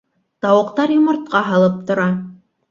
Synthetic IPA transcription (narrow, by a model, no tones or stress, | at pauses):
t̪ɑwɤ̆qt̪ɑɾjŏmŏɾt̪̚qɑɦɑ̆lˠɤp̚t̪ŏɾɑ